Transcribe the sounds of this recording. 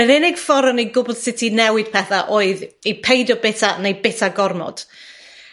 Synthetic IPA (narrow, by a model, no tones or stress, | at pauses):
əɾɪnɪɡ̥fɔɾɔnejɡʊbʊlˠd̥sɪtʰinɛwɪd̥pʰɛθaʔoːɨðepʰejdɔbɪtʰanejbɪtʰaɡɔrmɔ̰d̥